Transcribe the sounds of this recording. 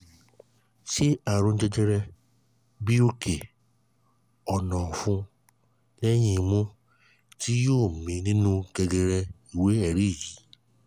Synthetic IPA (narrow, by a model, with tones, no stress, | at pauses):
ʃi˦a˨ɾ̃ũ˧n̩˦d͡ʒɛ˧d͡ʒɛ˧ɾɛ˧ | bi˦o˧ke˨ | ɔ˨nɔ̃˨fũ˧˦ | lɛ˦j̃ĩ˧˦˧mũ˦ | ti˦joː˦˨mĩ˨˧nĩ˦nũ˦ɡɛ˧ɡɛ˧ɾɛ˧ | i˨we˦ɛ˦˨ɾi˦˨ji˨˦